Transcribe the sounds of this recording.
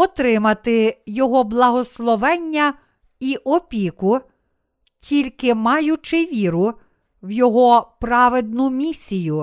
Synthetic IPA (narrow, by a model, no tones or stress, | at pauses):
ɔt̪ɾɪmɐt̪ɪjɔɦɔblˠɐɦɔslˠɔʋɛnʲːɐ | iʔɔpʲikʊ | tʲilʲkɪmɑjʊt͡ʃɪʋʲiɾʊ | wjɔɦɔpɾɑʋed̪̚nʊmʲisʲijʊ